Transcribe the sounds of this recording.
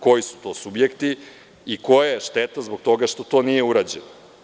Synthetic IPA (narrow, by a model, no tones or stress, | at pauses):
ko̞jisu̥t̪o̞ːsubjekt̪i | iko̞jaeʃt̪et̪azbo̞k̚t̪o̞ɡaʃt̪o̞t̪o̞ːnije̞uɾad͡ʑeno